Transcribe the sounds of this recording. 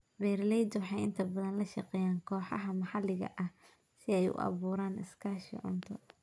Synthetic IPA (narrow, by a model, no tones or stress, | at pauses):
bɛːɾlɛjd̪wɑħɑjɪnt̪ʰɐbɐðɐnlɐʃɐqɛːjaːŋkʰɔːħɑɦɐmɑħɑlɪɣɐ̰ʔɐh | sɪɛjʊ̰ʔɑ̰βuːɾaːnɪ̰skʰaːʃḭʕʊ̰nt̪ʰɔ